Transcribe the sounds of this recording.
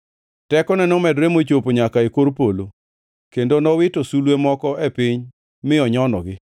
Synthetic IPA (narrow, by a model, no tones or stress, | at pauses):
tɛkɔnɛnɔmɛdɾemot͡ʃopoɲakaekoɾpolo | kendonɔwɪtosulwemɔkɔɛpɪɲ | mɪɔɲɔnɔ̰ɡɪ